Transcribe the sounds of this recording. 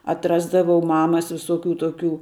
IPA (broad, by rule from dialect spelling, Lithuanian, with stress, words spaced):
ɐtˈrɑːzdɐʋɐʊ ˈmɑːmɐs ʋʲɪsoːˈkʲuː toːˈkʲuː